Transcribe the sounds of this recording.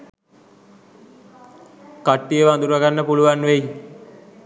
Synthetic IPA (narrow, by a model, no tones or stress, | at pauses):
kaʈːijəʋəand̪uɾuʋaɡanːəpuluʋanːʋeji